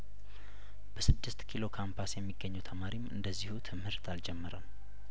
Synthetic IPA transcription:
b̥əsɨd̪ːɨst̪kʰilo̞kʰampʰasjɛmːiɡːəɲːuwt̪ʰəmaɾimʔɨ̰nd̪əzːihut̪ʰɨmhɨɾt̪ʰald͡ʒɛmːəɾəm

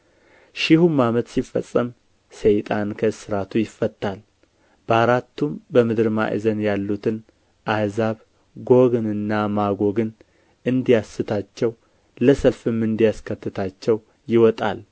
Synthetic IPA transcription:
ʃɪhumːamət̪sifːə̰sʼəm | sejt̪ʼankʰəsɨɾat̪ʰujɪfːət̪ːal | b̥əaɾat̪ːumbəmɨd̪ɨɾɨma̰ʔḭzənjalːut̪ʰɨn | ʔahzaβ | ɡo̞ɡɨnɨnːamaɡo̞ɡɨn | ɨnd̪ijasːɨt̪ʰat͡ʃːɛw | ləsəlfɨmɨnd̪ijaskʰət̪ːɨt̪ʰat͡ʃːɛw | jɪwɔt̪ʼa̰l

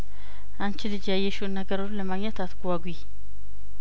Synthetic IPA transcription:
ʔant͡ʃɪlɨd͡ʒajɛʃunːəɡəɾot͡ʃləmaɡɲɛt̪at̪ʰɡwaɡʷi

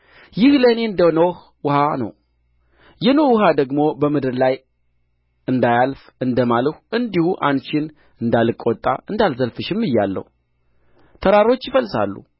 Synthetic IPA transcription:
jɪhləne̞ɨnd̪əwnəwh | wəhanə̰w | jɛnowʊɦad̪əɡmo̞bəmɨd̪ɨɾlaj | ɨnd̪ajalf | ɨnd̪əmalhʔɨnd̪ihuʔanʃɪn | ɨnd̪alɨkʼɔt̪ʼːa̰ʔɨnd̪alzəlfɨʃɪmːɨjːa̰lːə̰hu | t̪ʰəɾaɾo̞t͡ʃːjɪfəlːsa̰lːṵ

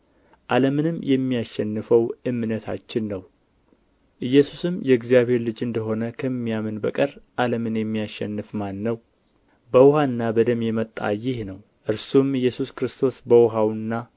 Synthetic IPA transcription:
ʔaləmɨnɨmjɛmːijaʃɛnːɨfəwɨmːnət̪ʰa̰t͡ʃːɪnːəw | ʔɨjːɛsusɨmjɛɡzijaβhe̞ɾlɨd͡ʒɨnd̪əɦo̞nəkʰəmːijamɨnbə̰kʼəɾʔaləmɨnjɛmːijaʃɛ̰nːɨfmanːəw | bəwʊhanːabəd̪əmjɛmət̪ʼːa̰jɪhnəw | ʔɨɾsumɨjːɛsuskɾɨst̪ʰo̞sbəwɦawnːa

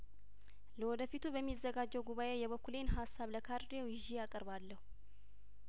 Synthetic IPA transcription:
ləwɔd̪əfit̪ʰubəmːizːəɡad͡ʒːɛwɡuβaʔe̞jɛβəkʷʰːulenɦasːaβləkʰaɾɾjewjɪʒijakʼəɾbalːəhu

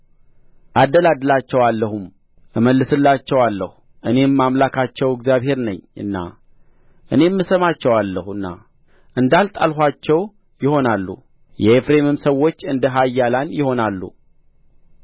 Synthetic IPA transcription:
ʔad̪əlad̪ɨlat͡ʃːɛwalːəhum | ʔɨməlːɨsɨlːat͡ʃːɛwalːəhu | ʔɨne̞mːamlakʰat͡ʃːɛwɪɡzjaβhe̞ɾnə̰ɲːʔɨ̰nːa̰ | ʔɨne̞mːɨsəmat͡ʃːɛwalːəhuɨnːa̰ | ʔɨnd̪alt̪ʼalɦʷat͡ʃːɛw | jɪho̞nalːṵ | jɛefɾemumsəwːo̞t͡ʃːɨnd̪əɦajːalanjɪho̞nalːṵ

